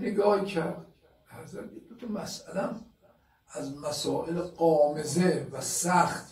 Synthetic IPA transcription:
neɡɒːhcʰæɾd̪ | æɾzæd̪ed̪ot̪ʰɒmæsælææm | æzmæsɒːʔelɢɒːmezevæsæxt̪

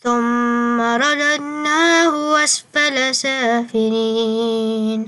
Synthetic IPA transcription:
θʊmːaɾˤɑdadnaːhʊwasfalasaːfɪɾiːn

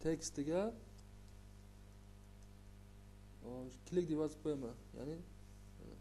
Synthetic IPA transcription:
t̪ʰekʲst̪ɪɡʲa | ɔkʲʰɪlɪk̚ʲd̪ebazɪp̚qʰojamaja̰nɪ

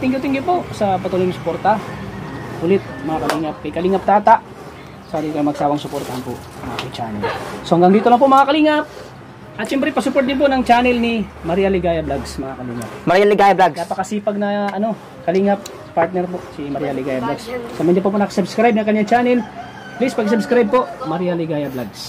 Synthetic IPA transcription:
t̪ɪŋɡʊt̪ɪŋɡɪpo̞ʔsɐpɐt̪uːlojŋsʊ̥poːɾt̪ɐ | hʊlɪt̪̚mɐŋakɐliːŋɐp̚kɐjkɐliːŋɐp̚t̪aːt̪aʔ | saːɾɪkɐjmɐɡ̚saːwɐŋsʊpoɾt̪ɐhanpo̰ʔ | ɐŋʔa̰k̪ɪŋt͡ʃa̰ːnɛlsohɐŋɡɐŋd̪iːt̪olɐŋpoʔmɐŋakɐliːŋɐp̚ | ʔɐt̪ʃɛmpɾɛpɐsʊpot̪̚d̪ɪnponɐŋt͡ʃaːnɛlnɪmɐɾijalɪɡaːjɐblaɡsmɐŋakɐliːŋɐp̚mɐɾijalɪɡaːjablaɡnapɐkɐsiːpɐɡ̚nɐɐno̞ | kɐliːŋɐp̚spaɾt̪̚nɛɾpoʔsimɐɾjalɪɡaːjɐblaɡssɐmɐɲːap̬opɐnɐkɐsɐbskɾajb̚nɐŋkɐɲːaŋt͡ʃaːnɛl | plispɐɡs̬ɐbskɾajb̚poʔmɐɾijalɪɡaːjɐblaɡs

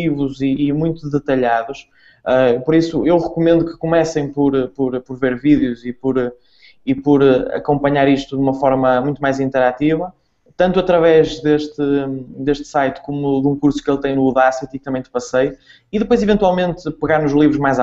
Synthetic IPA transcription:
ivuziːmũj̃t̪uðɨt̪ɐʎaðuʃ | ɛpɔɾisuewʁɨkumẽnd̪ukɨ̥kumɛsɐ̃j̃pɔɾpɔɾpɔɾveɾviðjuzipɔɾ | ipɔɾɐ̰kõmpɐɲaɾiʃt̪uðumɐfɔɾmɐmũj̃t̪umajzĩnt̪ɛɾat̪ivɐ | t̪ɐ̃nt̪uɐt̪ɾɐvɛʒðeʃt̪ɨd̪eʃt̪sajt̪komuðũkuɾsu̥kelˠt̪ɐ̃j̃nuːðasɛt̪ik̚t̪ɐmɐ̃j̃t̪ɨ̥pɐsej | iðɨpojzivẽnt̪walˠmẽnt̪pɨɣaɾnuʒlˠivɾuʒmajz

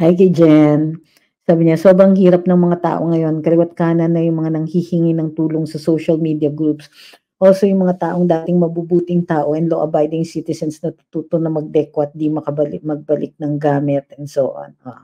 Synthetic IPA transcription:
hajk̬ɐjd͡ʒɛn | saːbɪɲaso̞ːbɾɐŋɦiːɾɐp̚nɐŋmɐŋat̪a̰ːʔo̞̰ŋɐjo̞nkɐlɪwat̪̚kaːnɐnːɐjʊŋmɐŋanɐŋhihɪŋinɐŋt̪uːloŋsɐsowʃɐlmiːd̪iɐɡɾups | ʔoːsojʊŋmɐŋat̪aːʔo̞ŋd̪aːt̪ɪŋmɐbubuːt̪ɪŋt̪aːʔo̞ʔɛnloːʔɐbajd̪ɪŋsit̪ɪsɐnsnɐt̪ut̪uːt̪onɐmɐɡ̚d̪ɛkwɐt̪̚d̪imɐkɐbɐlɪmɐɡ̚bɐlʔɪk̚nɐŋɡaːmɛt̪̚ɛnsoːʔno̰

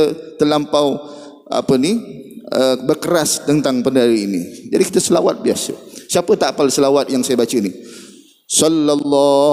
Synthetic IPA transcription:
ət̪əlampaw | a̰pəniʔəbərkəɾast̪ənt̪aŋpəndaɾiinḭd͡ʒadikit̪əsəlawa̰t̪̚biasə̰siapət̪aʔpalsəlawat̪̚jaŋsajabat͡ʃəni | sɔlːalːɔ

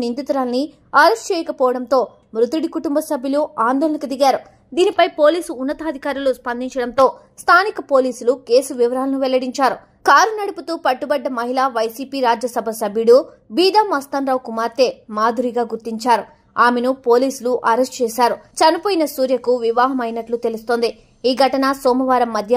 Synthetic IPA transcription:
nind̪it̪uɾaːlni | ɐɾesʈt͡ʃɛːjɐkɐpɔːʋɐɽɐnt̪o̞ː | mɾut̪uɽikuʈumbɐsɐbʱjuluaːnd̪ɔːlɐnɐkud̪iɡaːɾu | d̪iːnipɐjpo̞ːliːsuːnːɐt̪ɐːd̪ʱikaːɾuluspɐnd̪iɲt͡ʃɐɽɐnt̪o̞ː | st̪ʰaːnikɐpo̞ːliːsulukeːsuʋiʋɐɾaːlɐnuʋɛlːɐɽiɲt͡ʃaːɾu | kaːɾunɐɽuput̪uːpɐʈːubɐɖːɐmɐɦilaːʋɐjsiːpiːɾaːd͡ʒjɐsɐbʱɐsɐbʱjuɽu | biːd̪aːmɐst̪ɐnɾaːwkumaːɾt̪e̞ːmaːd̪ʱuɾiɡaːɡuɾt̪iɲt͡ʃaːɾu | aːmenupo̞ːliːsuluʔɐɾesʈt͡ʃɛːʃaːɾut͡ʃɐnipoːjinɐsuːɾjɐkuʋiʋaːɦɐmɐjnɐʈlut̪e̞lust̪o̞ːnd̪i | iːɡʱɐʈɐnɐsɔːmɐʋaːɾɐmːɐd̪ʱjɐ

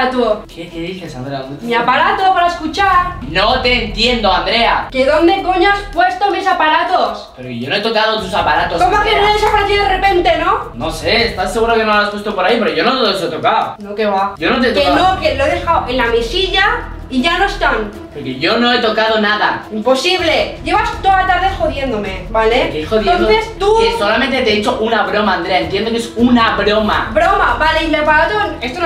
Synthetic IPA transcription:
t̪uokekeðiθe̞sand̪ɾeaðonemiapaɾat̪o̞paɾaeskut͡ʃaɾnot̪e̞ːnt̪je̞nd̪oand̪ɾe̞akeðo̞nd̪e̞koɲoaspwe̞st̪omisapaɾat̪ospeɾokeʝonoet̪o̞kaðot̪̬usapaɾat̪oskomoafenoðesapaɾaθiðerepe̞nt̪e̞no̞nose̞ːst̪asːeɣuɾokenolaspwest̪opoɾaipe̞ɾoʝonot̪oðes̬oet̪okaonokeβaɟ͡ʝonot̪̬et̪oenokeloeðe̞xawʔe̞nlamesiʝa | iʝano̞est̪an | poɾke̞ʝo̞no̞e̞t̪o̞kaðo̞naðaimpo̞siβle̞ɟ͡ʝe̞βast̪oðat̪aɾðexo̞ðje̞nd̪ome̞balekeoðjeonθe̞st̪usso̞lament̪e̞t̪eet͡ʃoʔunaβɾo̞maːnd̪ɾeaent̪je̞nd̪okeesunaβɾoma̰bɾo̞mabaleimepaɾat̪onest̪o

